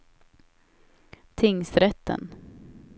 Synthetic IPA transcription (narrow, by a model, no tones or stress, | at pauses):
t̪ʰɪŋsɾɛt̪ːə̰n